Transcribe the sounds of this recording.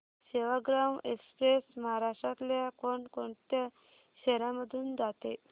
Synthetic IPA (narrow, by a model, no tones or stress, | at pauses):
ɕeʋaɡɾamekspɾesmaɦaɾaʂʈat̪ljakoɳkoɳt̪ja | ɕɛɾãməd̪ʱuːnd͡zat̪e